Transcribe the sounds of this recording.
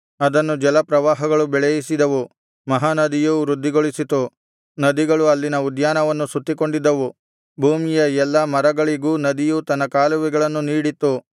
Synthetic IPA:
ɐd̪ɐnːud͡ʒɛlɐpɾɐʋaːɦɐɡɐɭubɛɭɛjisid̪ɐʋu | mɐɦaːnɐd̪ijuɾud̪ʱːiɡoɭisit̪u | nɐd̪iɡɐɭuɐlːinɐud̪jaːnɐʋɐnːusut̪ːiko̞ɳɖid̪ːɐʋu | bʱuːmijɐɛlːɐmɐɾɐɡɐɭiɡuːnɐd̪ijut̪ɐnːɐkaːluʋiɡɐɭɐnːuniːɽit̪ːu

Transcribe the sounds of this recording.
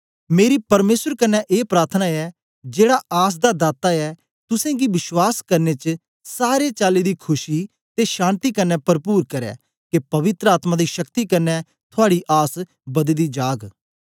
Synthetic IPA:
meːɾipɐɾmeːsəɾkɐnːɛʔeːpɾaːɾt̪ʰnaːɛ | d͡ʒeːɽaaːs̬d̪ad̪aːt̪aɛ | t̪ʊsɛ̃ːɡiʋɪswaːskɐɾnet͡ʃ | saːɾet͡ʃaːlid̪iːkʰʊʃi | t̪eʃãːnt̪ikɐnːɛpɐɾpuːɾkɐɾɛ̰ː | kepɐʋɪt̪ɾəaːt̪mãːd̪iʃɐkt̪ikɐɾnɛ | t̪ʰʊaːɽiʔaːs | bɐd̪əd̪iːd͡ʒaːɡ

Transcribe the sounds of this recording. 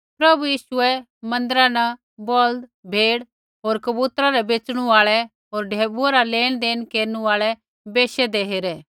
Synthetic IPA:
pɾɐbujiːʃʊɛ | mɐ̃nd̪əɾãnɛ | bɔld̪bʱeːɽ | ɦoːɾkɐbuːt̪ɾaɾɛbeːt͡ʃɽ̃uaːɭɛ | ɦoːɾɖʱeːbuaɾaleːɽ̃d̪eːnkeːɾnuaːɭɛ | beːʃɛd̪eːɦeːɾɛː

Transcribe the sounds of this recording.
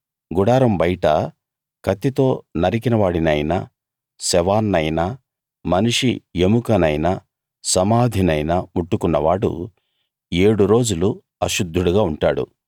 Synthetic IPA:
ɡuɽaːɾɐmbɐjʈɐ | kɐt̪ːit̪o̞ːnɐɾik̬inɐʋaːɽinɐjnɐ | sɛʋaːnːɐjnɐ | mɐniʂḭemukɐnɐjnɐ | sɐmaːd̪ʱinɐjnɐmuʈːukunːɐʋaːɽṵ | eːɽuɾo̞ːd͡ʒulu | ɐʃud̪ʱːuɽuɡaːuɳʈaːɽṵ

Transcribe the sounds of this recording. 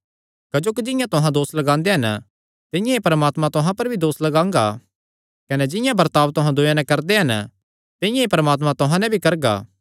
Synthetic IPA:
kɐd͡ʒoːkid͡ʒɪ̃jãt̪ʊɦãd̪oːslɐɡãːnd̪eɦɐn | t̪ɪ̃jãepɐɾəmaːt̪mãt̪ʊɦãpɐɾbʱid̪oːslɐɡãːŋɡa̰ | kɐnɛd͡ʒɪ̃jãbɐɾt̪aːʋt̪ʊɦãd̪ʊjãnɛ̃kɐɾd̪eɦɐn | t̪ɪjãepɐɾəmaːt̪mãt̪ʊɦãnɛ̃bʱikɐɾɡa̰ː

